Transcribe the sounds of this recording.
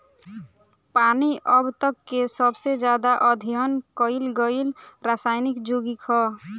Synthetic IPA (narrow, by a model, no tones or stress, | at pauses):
paniʔəbt̪əkːesəbsed͡ʒjaːd̪aʔəd̪ʱiɦənkəɪlɡəilɾasaːɪnikd͡ʒoɡikʰɔ